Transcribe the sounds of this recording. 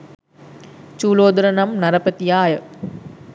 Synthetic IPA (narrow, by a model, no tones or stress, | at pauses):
t͡ʃuːloːd̪uɾənamnaɾəpət̪ijaːjə